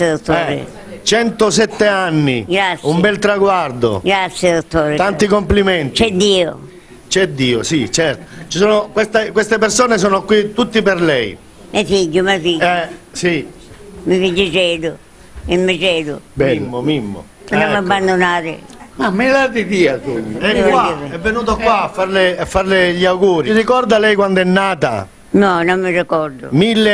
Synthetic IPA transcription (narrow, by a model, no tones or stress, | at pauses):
d̪ot̪ːoɛːɾḛ | t͡ʃɛnt̪os̬ɛt̪ːeanːiɡɾat̪sumbɛlt̪ɾaɡward̪o̰ɡɾat̪sːjed̪ot̪ːoːɾet̪ant̪ikomplimɛnt̪it͡ʃɛd̪ːiːo̰ | t͡ʃɛd̪ːiːo̰sit͡ʃɛɾt̪o̥t͡ʃi̥soːnokwest̪ekwest̪epersoːnes̬oːnokwit̪ut̪ːiperlɛj | mʔɛfiɟːʊmɛfiɛsi | mɪfid͡ʒɪd͡ʒɛːd̪ʊ | ɪmːɪt͡ʃɛːd̪ʊ̰bmːomimːo̰ | pamabːand̪onaːɾɪ̰mamːelat̪id̪iːat̪ɔɲːoɛkwaɛvːenuːt̪okwaːfːaɾlɪafːarlɪʎiawɡuːɾirikɔrd̪alɛjkwand̪oɛnːaːt̪a̰ | nɔnomːɪrikɔɾd̪ʊ̰milːe